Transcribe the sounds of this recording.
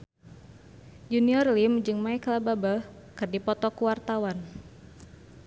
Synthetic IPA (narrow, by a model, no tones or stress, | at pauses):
juniɔrlimd͡ʒɨŋmaɛklababa | kɨrdipɔt̪ɔkuwart̪awan